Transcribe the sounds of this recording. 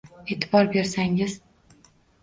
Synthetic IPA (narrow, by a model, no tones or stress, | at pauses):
e̞ːt̪ʰɪbɒɾbe̞ɾsaŋɪz̥